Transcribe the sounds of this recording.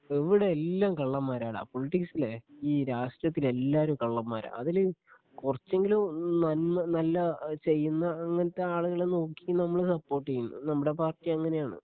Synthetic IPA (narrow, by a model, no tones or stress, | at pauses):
eʋiɽeelːaːmkɐɭːɐmːaːɾaːɽa̰ːpo̞liʈːiksileiːɾaːʂʈrɐt̪̬ːile̞lːaːɾumkɐɭːɐmːa̰ːɾa̰ɐðil | kurɐt͡ɕːe̞ŋɡilumnɐnmɐnɐlːɐt͡ɕe̞jːunːɐːŋːɐnɐt̪ːeaːɭuɣɐɭeno̞ːkːinɐmːɐɭsɐpːo̞ːrʈːijunːɨ̰nɐmːuɽe̞p̬aːrtːijɐŋːɐne̞jaːɳɨ̰